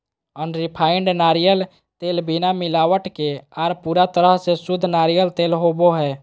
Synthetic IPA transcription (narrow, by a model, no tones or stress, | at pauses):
ənɾipʰaːɪɳɖnaːɾijəl | t̪eːlbinamɪlaːwəʈkeaːɾpuɾat̪əɾəɦsesʊd̪ʱːnaːɾijəlt̪eːlɦoboɦɛː